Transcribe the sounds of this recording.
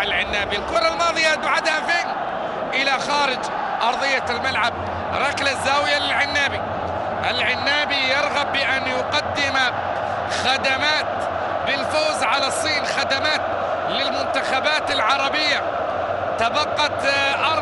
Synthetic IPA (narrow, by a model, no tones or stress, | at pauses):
ɪlʕɪnːaːbilqʊɾˤɑlmɑːðˤɨjad̪ʕad̪hafiːn | ʔɪlaxaːɾɪd͡ʒ | ʔɑɾˤðˤɨjːalmalʕab̚ | ɾˤɑklazːaːwɪjalɪlʕɪnːaːbi | ʔɪlʕɪnːaːbijɪɾˤɣabːɪʔanjʊqɑd̪ːɪma | xad̪amaːt̪ | bɪlfoːzʕalasˤːiːnxad̪amaːt̪ | lɪlmʊnt̪axabaːt̪ɪlʕɑɾˤɑbɪjːa | t̪abɑqːɑt̪ʔɑˤ